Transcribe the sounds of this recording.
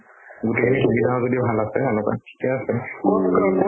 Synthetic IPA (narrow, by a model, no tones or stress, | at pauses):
ɡutekʰinikibizaɔzodibʱalasɛalɔka̰kʰi̥kɛasɛ